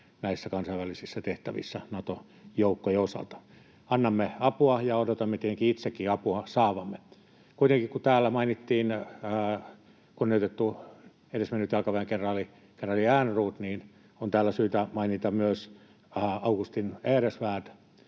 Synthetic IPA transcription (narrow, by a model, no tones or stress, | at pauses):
næisːækɑnsɑiʋælisisːæt̪eht̪æʋḭsːænɑt̪o | joukːojosɑ̰lt̪ɑ̥ | ɑnːɑmːeɑpuɑjɑodot̪ɑmːet̪eeŋkiit̪sekːiɑpuɑsɑːʋɑmːe | kuit̪eŋkikut̪æːlːæmɑinit̪ːiːnː | kuoniot̪et̪ːu | edesmenːyt̪jɑlkɑʋæiŋkenrɑːli | kenrɑliæːnruːt̪niːn | ont̪æːlːæsyːt̪æmɑinit̪ɑmyøs | ɑukust̪ineːresʋæːt̪